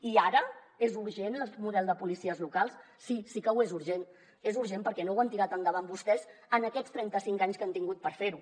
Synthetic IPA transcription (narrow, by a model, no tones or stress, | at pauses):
iaɾə | ezuɾʒenəlˠmuðɛlˠd̪əpulisiəzlukalˠs | sisikəuwezuɾʒen | ezuɾʒempəɾkɛnowant̪iɾat̪ənd̪əβambust̪ɛzənəkɛst̪ɾɛnt̪əsiŋkaɲskant̪iŋɡut̪̚pəɾfeɾu